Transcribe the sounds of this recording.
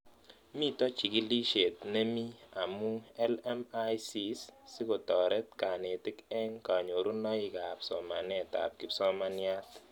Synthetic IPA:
mi˦tɔ˦t͡ʃi˨ki˦li˦ʃe˨tne˦mi˦a˨mu˦ɛ˦lɛ˦ma˦jsi˦ssi˦ko˨tɔ˨ɾɛ˦t̚ka˨ne˨tɪ˦kɛ˦ŋka˨ɲo˨ɾu˦nɔ˦i˨ka˨psɔ˨ma˨nɛ˦˨ta̰˨p̚kɪ˦psɔ˦ma˦nja˦t

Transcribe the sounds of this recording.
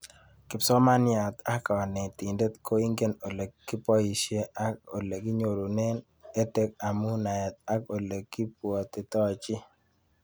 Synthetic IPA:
kɪ˨psɔ˦ma˦nɪa˨t̪a˦ka˨ɔ˨nɛ˨t̪i˨nde˦t̪kʰo˦i˦ŋɡe˦no˨le˨kːɪ˦pɔ˦i˨ʃje˦ʔa˦ko̰˨le˨kɪ˦ɲo˨ɾo˨ne˦n | e˦t̪e˦k̚a˨mu˦na˨ɛ˨t̪̚a˦ko˨le˨kːi˦pwɔ˨t̪ɪ˨t̪ɔ˦˨t͡ʃɪ˦

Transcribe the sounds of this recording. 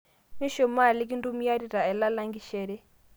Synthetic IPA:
ni˦ʃɔ˨ma˦˨li˦k̬i˦ndu˦mi˦ja˦ɾi˨ɾa˨ɛ˨la˦la˦ŋɡi˦ʃɛ˨ɾɛ˦

